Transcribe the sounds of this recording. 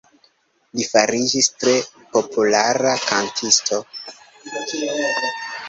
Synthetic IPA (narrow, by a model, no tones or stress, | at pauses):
lifaɾid͡ʒistɾe̞ | po̞pʰulaɾakʰantʰisto̞